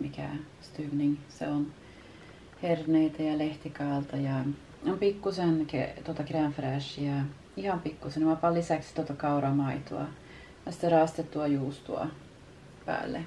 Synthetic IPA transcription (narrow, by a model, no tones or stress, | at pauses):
mikæ̰ | st̪yʋniŋsḛon | herneit̪æjɑleht̪ikɑːlt̪ɑjɑ | ompikːusenkḛt̪uot̪ɑkerɑnfræˑʃijɑ | ihɑmpikːusenmɑpɑlːisækst̪uot̪ɑkɑuɾɑmɑit̪oɑ̰ | jɑsi̥t̪ːerɑːˑst̪et̪ːuɑjuːst̪uɑ̰ | pæ̰ːlːḛ